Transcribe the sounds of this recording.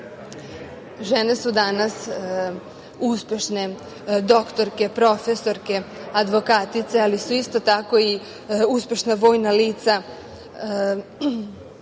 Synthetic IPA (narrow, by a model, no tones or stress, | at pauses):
ʒe̞ne̞sud̪anas | uspʲje̞ʃne̞ | d̪o̞kt̪o̞ɾke̞pɾo̞feso̞ɾke̞ad̪ʋo̞kat̪it̪se̞alisuist̪o̞t̪ako̞i | uspʲjeʃnaʋo̞ːjnaliːt̪sa